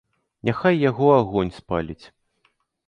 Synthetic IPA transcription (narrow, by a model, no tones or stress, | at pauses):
nʲʔaxajːaɣɔaɣɔnʲspalʲit͡sʲ